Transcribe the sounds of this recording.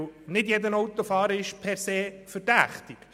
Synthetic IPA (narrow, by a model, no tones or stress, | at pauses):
nɪdjɛdənɔwt̪ofɑːɾəɪʃpʰɛɾseːfəɾd̥æχt̪ɪk